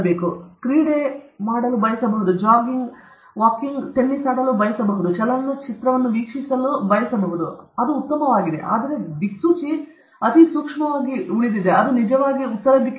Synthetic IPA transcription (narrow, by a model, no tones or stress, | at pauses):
beːkukɾiːɽemaːɽɐlubɐjɐsɐbɐɦud̪ud͡ʒaːɡiŋɡ | ʋaːkiŋɡʈ̪enːisaːɽɐlubɐjɐsɐbɐɦud̪ut͡ʃɛlɐnːut͡ʃit̪ɾɐʋɐnːuʋiːkʂisɐlubɐjɐsɐbɐɦud̪uɐd̪uːt̪ːɐmɐʋaːɡid̪e̞̰ʔa̰ːd̪ɐɾe̞b̪iksuːt͡ʃi | ɐt̪isuːkʂmɐʋaːɡiuɭid̪id̪eɐd̪unid͡ʒɐʋaːɡiut̪ːɐɾɐd̪ikː